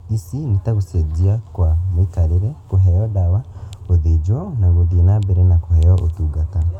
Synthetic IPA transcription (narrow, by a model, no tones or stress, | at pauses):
isinitaɣused͡ʒiakwamwikaɾiɾekuɦejɔdawaoðid͡ʒonaɣuðinabeɾenakuhejɔʔotuɡata